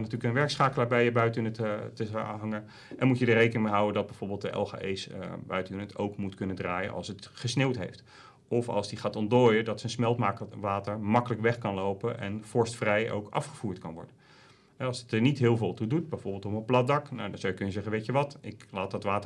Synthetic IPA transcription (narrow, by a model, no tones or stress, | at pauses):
natyːləkənʋɛɹksχaːkələːɹbɛjəbœɥtynəttəɦɑŋə | ʔɛnmutjədərejkənɪŋmeɦʌwəndɑd̚bɛjv̥oːɹbɪːlˠtdəʔɛ̰lˠχa̰ʔejsbœ̰ɥtynətʰowkmutkɵnədraːjə̰nʔɑ̰lˠsətχəsnewtɦḛjft | ɔfɑ̰lˠzdiχaːtɔntdoːjədɑtsənsmɛlˠtmaːkʋaːtəɹmɑkələkʋɛχkɑnlowpəʔɛ̰nv̥ɔɹstfrɛjʔo̰wkɑ̰fχəv̥uːɹtkɑ̰nʋɔ̰ɹdə | ɦɛɑlˠstəɹnitɦɪːlˠvɪːlˠtudut̚bɛjvɔɹbɪlˠtɔpənplɑt̚dɑkna̰wdɑnz̥awjəkɵnjəzɛχənʋejcəʋɑtɪklaːt̚dɑtʋaːtə